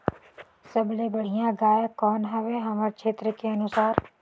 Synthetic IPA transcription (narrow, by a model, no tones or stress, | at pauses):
sɐblebɐɽ̤ijãɡaːjkɔːnɦɛʋeɦɐməɾt͡ʃʰeːt̪ɾəkeɐnʊsaːɾ